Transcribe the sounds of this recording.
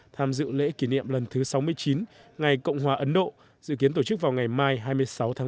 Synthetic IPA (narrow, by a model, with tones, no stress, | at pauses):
t̪ʰaː˧mzɨ̰˧˨lḛ˧˥ki˧˩nḭ˧˨əmlə˨˩nt̪ʰɨ˨˦sa˨˦wmɨ˧əjt͡ɕi˨˦nŋa˨˩jkə̰˧˨wŋ͡mɦwaː˨˩ʔə˨˦nɗo̰˧˨ | zɨ̰˧˨k̬i˨˦ənt̪o˧˩t͡ɕɨ˦˥k̚vaː˨˩wŋa˨˩jmaː˧jɦaː˧jmɨ˧əjsa˨˦wt̪ʰa˨˦